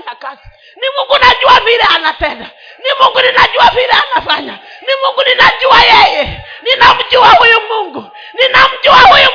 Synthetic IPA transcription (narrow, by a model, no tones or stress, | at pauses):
ɲakazi̥ | nimuŋɡunad͡ʒuaviɾɛanatɛda | nimuŋɡuninad͡ʒuaviɾɛanafaɲanimuŋɡuninad͡ʒuajɛjɛninam̩d͡ʒuwaujumuŋɡu | ninam̩d͡ʒuwauju